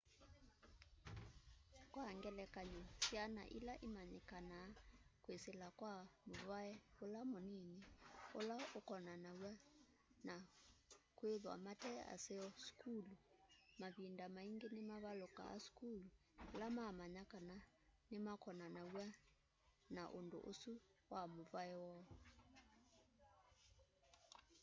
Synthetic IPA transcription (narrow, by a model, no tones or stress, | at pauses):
kwaŋɡɛlɛkaɲosjana̰ʔilaʔimaɲɛkanaːkweselakwamoβaɛolamonineolaokɔnanawa | na | kweðwa̰matɛa̰sɛɔskulumaβindamaiŋɡenemaβaloka̰a̰skulu | lamamaɲakana | nemakɔnanawa | naʔondo̰ʔosuwamovaɛwɔ